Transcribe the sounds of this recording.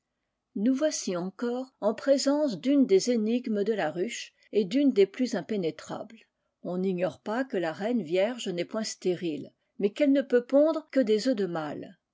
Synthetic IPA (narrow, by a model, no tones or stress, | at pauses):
nuvwasiɑ̃kɔːʁɑ̃pχezɑ̃s̬d̪ynd̪ezeniɡməd̪əlaʁyʃ | ed̪ynd̪eplyzɛ̃penet̪χa̰bl | ɔ̃niɲɔʁpakəlaʁɛnvjɛʁʒnɛpwɛ̃st̪eʁil | mɛkɛlnəpøpɔ̃d̪ʁəkəd̪ezød̪əmal